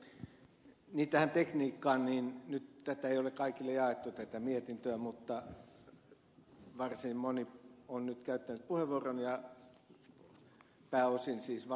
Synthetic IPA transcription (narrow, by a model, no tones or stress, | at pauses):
niːt̪æhænt̪ekniːkːɑːnniːnnyt̪t̪æt̪æeiolekkɑikilːejɑet̪ːut̪æt̪æmiet̪int̪øæmut̪ːɑ | ʋɑrsimmonionnyt̪kæyt̪ːænyt̪̚puheʋoronjɑ | pæːosinsiːsʋɑ